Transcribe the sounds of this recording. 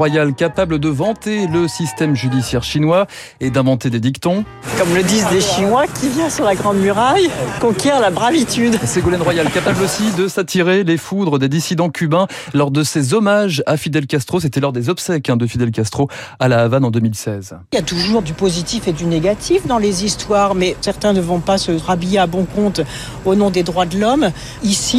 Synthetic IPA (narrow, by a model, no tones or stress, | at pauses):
wajalkapabləd̪əvɑ̃t̪eləsist̪ɛmʒyd̪isjɛʁʃinwa | ed̪ɛ̃vɑ̃t̪ed̪ed̪ikt̪ɔ̃ | kɔmləd̪izd̪eʃinwakʰʲivjɛ̃syʁlaɡʁɑ̃d̪myʁajkɔ̃kʲɛʁlabʁavit̪yd̪seɡolɛnʁwajalkapablosid̪əsat̪ʰiʁelefud̪ʁəd̪ed̪isid̪ɑ̃kʲʰybɛ̃ | lɔʁd̪əsezɔmaʒafid̪ɛlkast̪χos̬et̪ɛlɔʁd̪ezɔpsɛkɛ̃d̪əfid̪ɛlkʲast̪χo | alaːvanɑ̃d̪ømilsɛz | ljat̪uʒuʁd̪ypozit̪ifed̪yneɡʲat̪ʰifd̪ɑ̃lezist̪waːʁmɛsɛʁt̪ɛ̃nəvɔ̃pasəʁabijeabɔ̃kɔ̃t̪ | onɔ̃d̪ed̪ʁwad̪əlɔm | isi